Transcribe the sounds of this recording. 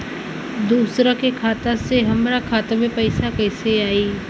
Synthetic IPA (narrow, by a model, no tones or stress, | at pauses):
d̪uːsɾakekʰaːt̪aseɦɐmɾakʰaːt̪amẽpɐɪsakɛːseaːiː